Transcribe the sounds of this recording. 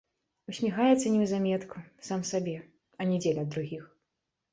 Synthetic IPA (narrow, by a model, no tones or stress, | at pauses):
usʲmʲixajɛt̪sːɐnʲɛzamʲɛt̪kʰusamsabʲɛ | ɐnʲɛd͡zʲelʲɛd̪ɾuɣʲix